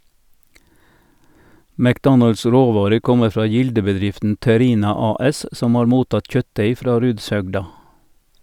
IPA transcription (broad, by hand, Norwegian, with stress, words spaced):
mækˈdɔnɑls ˈɾoːˌʋɑːɾəʁ ˈkɔmə ˈfɾɑː ˈjɪldəbəˌdɾɪftn̩ tɛˈɾiːnɑ ˈɑːˌɛs ˈsɔm ˈɑːɾ ˈmuːˌtɑt ˈc͡çœtˌdeɪ ˈfɾɑː ˈɾʉːdsˌhœɡdɑ